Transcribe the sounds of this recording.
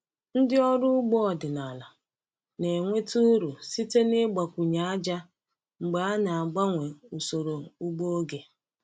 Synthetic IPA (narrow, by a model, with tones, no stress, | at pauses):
n̩˦dɪ˦ɔ˦ɾʊ˦ɡ͡bɔ˦ɔ˨dɪ˨na˨la˨ | ne˨ŋʷe˦tu˦ɾu˨si˦te˦ne˦ɡ͡ba˨kʷu˨ɲa˨a˦d͡ʒa˦ | ŋ͡m̩˨ɡ͡ba˨a˦na˨a˨ɡ͡ba˦ŋʷe˨u˨so˨ɾo˨u˦ɡ͡bo˦o˦ɡe˨